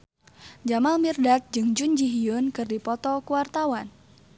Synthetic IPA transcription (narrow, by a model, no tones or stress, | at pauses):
d͡ʒamalmirdak̚d͡ʒɨŋd͡ʒund͡ʒiɦijʊnkɨrdipɔt̪ɔkuwart̪awan